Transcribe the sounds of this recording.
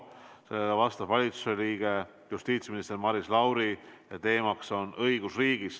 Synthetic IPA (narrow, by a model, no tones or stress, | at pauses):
selːeɡɑvɑst̪ɑvvɑlʲit̪su̥se̞liːɡ̥e̞ | just̪iːt̪sminist̪e̞ɾmɑɾislɑwɾijɑt̪e̞ːmɑkso̞nʔɤiɡ̥usriːɡ̥is